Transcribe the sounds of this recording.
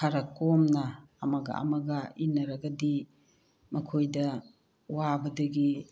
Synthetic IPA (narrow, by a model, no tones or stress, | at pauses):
kʰaɾɐkomnɐː | mɐɡɐ̰ɐ̰mɐɡɐinːɐɾɐɡɐdi | mɐkʰojdɐ | wabɐdɐɡi